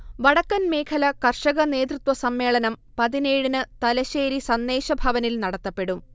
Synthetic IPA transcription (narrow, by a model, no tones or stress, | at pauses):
ʋɐɽɐkːɐnme̞ːkʰɐlɐkɐrʂɐɣɐne̞ːd̪rɨt̪wʋɐsɐmːe̞ːɭɐnɐmpɐðine̞ːɻinɨt̪ɐlɐɕeːɾisɐnːe̞ːɕɐbʱɐʋɐnilnɐɽɐt̪ːɐpːe̞ɽum